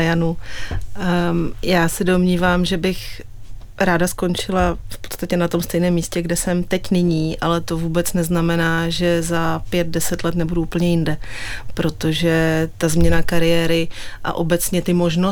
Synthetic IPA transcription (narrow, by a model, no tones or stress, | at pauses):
janu | jaːsɛdo̞mɲiːvaːmʒɛbɪx | ɾaːdasko̞nt͡ʃɪlafpot̪t͡sst̪acɛnat̪o̞mst̪ɛjnɛːmːiːscɛɡdɛsɛmt̪ɛcnɪɲiːʔalɛt̪o̞vuːbɛt͡snɛznamɛnaːʒɛzapjɛt̪̚dɛsɛt̪lɛt̪nɛbuduuːpl̩ɲɛjɪndɛpɾo̞t̪o̞ʒɛt̪azmɲɛnakaɾɪjɛːɾɪʔa̰ʔo̞bɛt͡sɲɛt̪ɪmo̞ʒno